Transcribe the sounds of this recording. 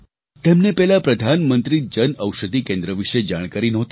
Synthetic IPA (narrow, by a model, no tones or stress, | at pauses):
t̪emnepɛɦlapɾəd̪ʱanmənt̪ɾid͡ʒənəwʃəd̪ʱikẽnd̪ɾəʋiʃed͡ʒaɽ̃kaɾinɔɦt̪